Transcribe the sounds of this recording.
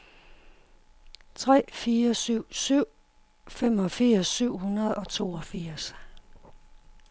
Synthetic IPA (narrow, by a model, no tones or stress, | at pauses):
t͡sʰʁɛ̰ːfiːɐsyʊ̰syʊ̰ | femɒ̽fiɐsːyʊ̰hunɐð̩ˠɒ̽t͡sʰo̝̰ːɒfiɐs